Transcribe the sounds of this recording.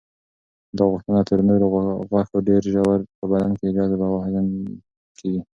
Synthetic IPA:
d̪ɑɣʊxt̪ənat̪ʰəɾnoɾoɣwaxawɖeɾʒawaɾpəbalanked͡ʒɑzad̪ɑwahalan | kʰeɡi

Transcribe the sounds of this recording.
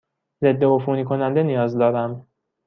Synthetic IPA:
ze̞d̪ːe̞ofuːniːkʰo̞nænd̪e̞nijɒːzd̪ɒːɾæm

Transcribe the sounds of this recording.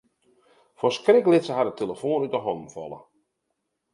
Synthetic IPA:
fɔskrɪklɪtsəɦadətʰeləfoːnytəɦɔnn̩fɔ̰lˠə̰

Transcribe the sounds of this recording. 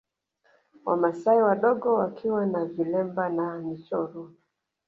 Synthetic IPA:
wa̰masaiwaɗɔɡɔwakʰiwanavilɛmbananit͡ʃɔɾɔ

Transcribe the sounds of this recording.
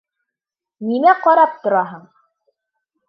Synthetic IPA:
nimæqɑɾɑp̚t̪ŏɾɑɦɤɴ

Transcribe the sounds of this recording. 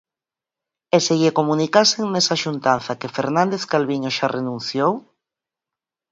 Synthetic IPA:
eseɣikomunikaseŋnesaʃunt̪anθakefeɾnãnd̪eθkalβiɲoʃarenũnθjow

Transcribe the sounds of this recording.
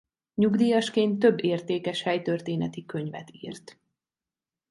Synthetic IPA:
ɲuɡd̪iːjɒʃkeːnt̪ːø̞bːeːrt̪eːkɛʃhɛjt̪ørt̪eːnɛt̪ikø̞ɲvɛ̰t̪ḭːrt̪

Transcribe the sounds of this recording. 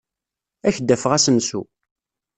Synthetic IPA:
æçəd̪ːæfəʁæsənsṵ

